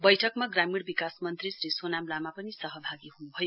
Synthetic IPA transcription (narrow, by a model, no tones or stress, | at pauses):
bʌjʈʰʌkmaɡramiɽbikasmʌnt̪risɾisonamlamapʌnisʌɦʌbʱaɡiɦunubʱʌjo